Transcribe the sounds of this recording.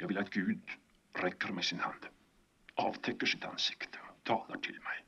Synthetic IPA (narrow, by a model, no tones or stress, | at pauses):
jɑːɡvɪlat̪ɡʉ̟ːd̪ | ɾɛkːəɾmɛjsɪnha̰nd̪ | ʔɑːvt̪ʰɛkːəʂɪt̪a̰nsɪ̥kt̪ʰə̥t̪ʰɑːla̰ʈʰɪlmɛj